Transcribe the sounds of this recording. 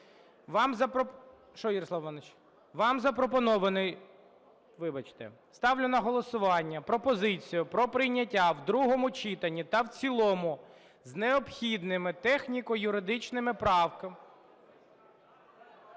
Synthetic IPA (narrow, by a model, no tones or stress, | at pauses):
ʋɑmzɐp | ʃɔjiɾɔsˠɑʋʋɐnɪt͡ʃ | ʋɑmzɐpɾɔpɔnɔʋɐnɪj | ʋɪbɐt͡ʃt̪ɛ̰ | st̪ɑwlʲʊnɐɦɔlˠɔsʊʋɑnʲːɐpɾɔpɔzɪt͡sʲijʊpɾɔpɾɪjnʲːɐtʲːawd̪ɾuɦɔmʊt͡ʃit̪ɐnʲːit̪ɐwt͡sʲilˠɔmʊ | zneɔpxʲid̪nɪmɪt̪ɛxnʲikɔjʊɾɪd̪ɪt͡ʃnɪmɪpɾɑwkɐm